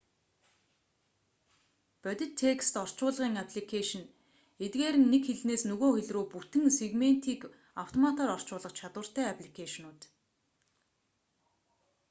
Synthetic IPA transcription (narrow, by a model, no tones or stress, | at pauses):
pœt̪ʲɪ̆t̪ʰːekst̪ɔr̥t͡ɕʊːɮʁiːŋapʰɮikʰeʃɞ̆n | et̪ɡeːɾɘ̆nːekxeɮneːsnɵɣoːxeɮroːput̪ɘ̆ŋseɣmen̥t̪ʰiːk | aw̥t̪ʰɔmat̪ʰɔːrɔr̥t͡ɕʊːɮə̆qt͡ɕʰat̪wə̆r̥t̪æːapʰɮikʰeʃnʊːt̪